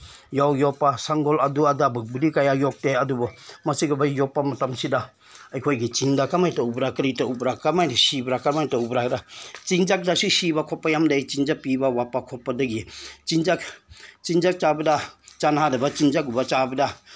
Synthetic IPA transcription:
jawjɔpasaŋɡɔladuadabɯk̚bidikajajɔk̚teadubɔmasiɡabajɔpːamatamsida | ajkʰojɡit͡ʃiŋdakamajtaubɾakɾitaubɾakamajdisibɾakaɾmajtaubɾakɾat͡ʃiŋd͡ʒak̚dasisibakʰɔpːajamdajt͡ʃiŋd͡ʒapibawapakʰɔpːadɐɡit͡ʃind͡ʒakt͡ʃiŋd͡ʒak̚t͡ʃabɐdat͡ʃanhadabat͡ʃiŋd͡ʒakubat͡ʃabɐda

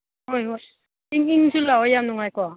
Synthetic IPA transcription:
ojo | iŋiŋsulaojamnuŋajkoa

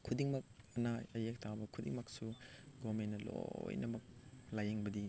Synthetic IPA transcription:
kʰudiŋmɐk̚ɐnaɐjek̚tʰawbɐkʰudḭŋmɐk̚suɡomenɐlo̰jnɐmɐk̚lajeŋbɐdi

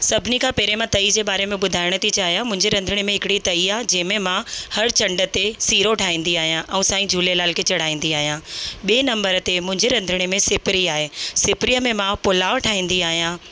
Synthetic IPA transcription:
sɐbʱɪnikʰãːpeːɾemãt̪ɐid͡ʑeːɓaːɾemẽɓʊd̪ʱaːɪɽ̃ət̪ʰit͡ɕaːɦijãmʊ̃ɦɪ̃ɲd͡ʑeɾɐ̃nd̪ʱəɽ̃emẽɦɪkɪɽit̪ɐiaɦd͡ʑɐ̃ːɦmẽmãhɐɾt͡ɕɐ̃ɳɖə̆t̪esiːɾoʈʰaːɦĩːn̆d̪iaːɦijãʔɛ̃ũsaːĩd͡ʑʱuːlelaːlkʰet͡ɕɐɽ̤aːĩːn̆d̪iaːɦijãːɓeːnɐ̃mbəɾt̪emʊ̃ɦɪ̃ɲd͡ʑeɾɐ̃nd̪ʱɪɽ̃emẽsɪpɾiaːɦeːsɪpɾijəmẽmãpʊlaːʋʈʰaːɦĩːnd̪iaːɦijãː

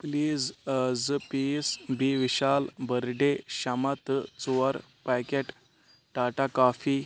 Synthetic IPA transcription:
pliːzd͡zpisbiʋiɕalbəɾɖeɕamat̪t͡suʋaɾ | pakeʈ | ʈaʈakafi

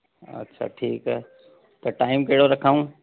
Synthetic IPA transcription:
ɐ̰tːʃʰa̰ʈʰiːkɦɛ | t̪ɐʈaːɪmkeːɽoɾɐkʰaːũ

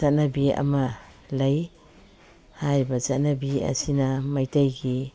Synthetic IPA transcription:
at̚nɐbiɐ̰mɐ | lɐj | hajɾibɐzat̚nabiɐ̰sinɐmajtajɡi

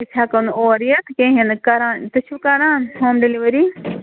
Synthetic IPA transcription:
it͡ʃʰaːkɐnoːɾijɐt̪kẽɦenkɐɾãːnt̪ɐt͡ʃʰukɐɾãːnɦoːmɖeliʋɐɾi

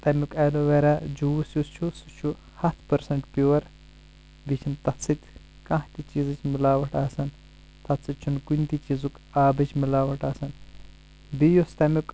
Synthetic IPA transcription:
t̪ɐmʲukɐloʋeɾad͡ʒuwsjust͡ʃʰusut͡ʃʰu | hɐt̪ʰpɐɾsɐɳʈpʲuwɐɾ | bit͡ʃʰint̪ɐt͡sɨt̪ʲ | kɐ̃ɦt̪ʲit͡ʃiːzɨt͡ʃʰʲmilaːʋɐʈaːsɐn | t̪ɐt͡sːɨt̪̚t͡ʃʰunkunʲt̪ʲit͡ʃizuk | aːbɨt͡ʃʰmilaːʋɐʈaːsɐn | bijust̪ɐmuk

